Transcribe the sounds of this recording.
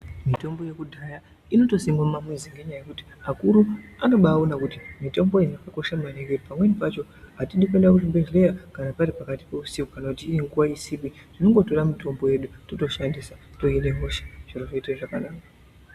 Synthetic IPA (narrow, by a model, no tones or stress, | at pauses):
mito̞mbo̞je̞kudʱaja | ino̞to̞simamumamwiziŋɡe̞ɲajajekuti̥akuɾuano̞ɓaːonakutimito̞mbo̞inakako̞ʃamanekepamwe̞nipat͡ʃo̞ | atindik̬e̞ndakuʐimbele̞jakanapaɾipakati̥pe̞usipukanakutiːiŋɡuwaisipiʐ̥ino̞ŋɡo̞to̞ramito̞mbo̞je̞ɗutoto̞ʃandisato̞ine̞moʃe̥ʐ̥iroʐeiteʐakanaːka